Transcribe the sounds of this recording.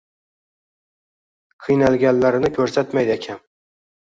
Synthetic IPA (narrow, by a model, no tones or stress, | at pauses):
qʰɨjnalˠɡʲanlaɾɪnɪkʲʰɵɾsat̪majd̪ekʲʰan